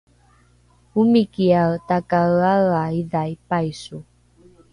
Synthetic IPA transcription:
umikiatakaɣaɣaidajpajsu

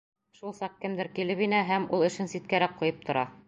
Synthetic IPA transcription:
ʃulˠsɑq̚kɘ̆md̪ɘɾkilɘpinæɦæmulˠɘ̆ʃɘnsit̪̚kæɾæk̚qŭjɤp̚t̪ʰŏɾɑ

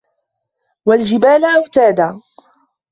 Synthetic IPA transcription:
wald͡ʒɪbaːlʔawt̪aːd̪aː

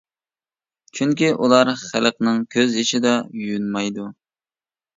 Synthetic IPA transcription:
t͡ʃʰyŋkʲiʔulˠɑɾχælqnɨŋkʲʰøzjeʃɪd̪ɑjyjynmɑjd̪u

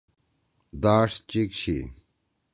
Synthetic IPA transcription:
d̪aːʂt͡ɕikɕʰḭ

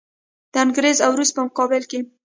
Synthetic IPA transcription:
d̪̥əanɡɾezawɾust̪̚pəmʊqɑbɪlke

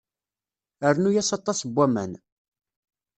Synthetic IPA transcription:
əɾnujæsɑt̪ˤːɑsbːæmæ̰n

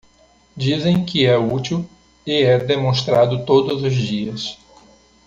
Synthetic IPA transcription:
d͡ʒizẽj̃kɪɛut͡ʃiw | ɪɛd̪emõst̪ɾad̪ʊt̪od̪ʊzʊzd͡ʒiɐs

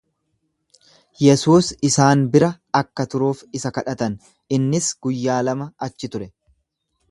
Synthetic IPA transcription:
jɛsuːsɪsaːnbɪɾɐ | ɐkːɐt̪ʊɾuːfɪsɐkɐᶑɐt̪ɐn | ɪnːɪsɡ̥ʊjːaːlɐmɐɐt͡ʃːɪt̪ʊɾɛ

